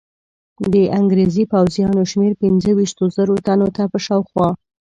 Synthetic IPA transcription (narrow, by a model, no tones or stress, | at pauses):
d̪əʔaŋɡɾezipawzjɑnoʃmeɾpɪnzəwiʃt̪ozəɾot̪anot̪apəʃɑwxwɑ